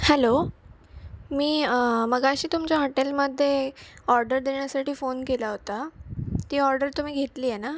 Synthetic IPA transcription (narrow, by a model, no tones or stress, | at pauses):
hɛlo | miːməɡaəɕiːt̪umt͡ɕjaɦoʈelməd̪ʱːjeɔɾɖəɾd̪eɳ̃jasaʈiːfonkelaɦot̪at̪iːɔɾɖəɾt̪um̤iːɡʱet̪liːjena